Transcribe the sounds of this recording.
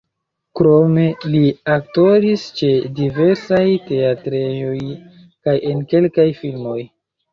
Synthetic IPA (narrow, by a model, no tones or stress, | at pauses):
kɾo̞me̞liak̚to̞ɾist͡ʃe̞dive̞ɾsajte̞atɾejo̞j | kaje̞nke̞lkajfilmo̞j